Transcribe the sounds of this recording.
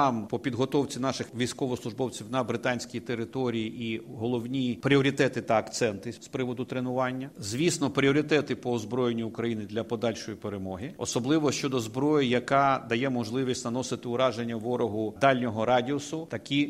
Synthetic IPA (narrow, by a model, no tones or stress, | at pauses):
ɑmpɔpʲid̪ɦɔt̪ɔwt͡sʲinɑʃɪxʋʲijsʲkɔʋɔslˠʊʒbɔwt͡sʲiwnɐbɾɪt̪ɑnʲsʲkʲijt̪eɾɪt̪ɔɾʲijiʔiɦɔlˠɔwnʲipɾʲiɔɾʲit̪ɛt̪ɪt̪ɐːkt̪sɛnt̪ɪspɾɪʋɔd̪ʊt̪ɾenʊʋɑnʲːɐzʲʋʲisnɔpɾʲiɔɾʲit̪ɛt̪ɪpɔːzbɾɔjenʲːiʊkɾɐjinɪd̪lʲɐpɔd̪ɑlʲʃɔjipeɾemɔɦɪɔsɔblˠɪʋɔʃt͡ʃɔd̪ɔzbɾɔjijɐkɑd̪ɐjɛmɔʒlˠɪʋʲisʲtʲnɐnɔsɪt̪ɪʊɾɑʒenʲːɐʋɔɾɔɦʊd̪ɑlʲnʲɔɦɔɾɑdʲiɔsʊt̪ɐkʲi